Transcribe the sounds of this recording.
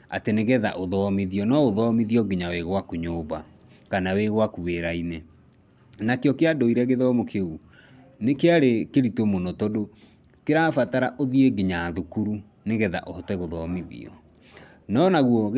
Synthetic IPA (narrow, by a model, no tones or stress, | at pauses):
ateneɣɛða̰ʔoðɔmiðiɔnɔoðɔmiðiɔɡeɲaweɣwakoɲoːβa | kanaweɣwakuβeɾaine | nakeɔkeadoiɾɛɣeðɔmokʰeu | nekeaɾekeɾitomonɔtɔdo | keɾafataɾaʔoðieɡeɲaðukuɾu | neɣɛða̰ʔohɔtɛɣoðɔmiðḭɔ̰ | nɔnaɣwɔ